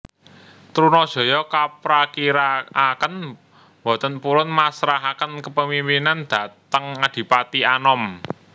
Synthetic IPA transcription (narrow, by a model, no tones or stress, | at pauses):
t̪ɾunɔd̥ʒ̥ɔ̤jɔkapɾakiɾaakən | bɔ̤t̪ənpuɾʊnmasɾaɦakənkəpəmimpinand̪̥a̤t̪əŋad̪̥i̤pat̪ianɔm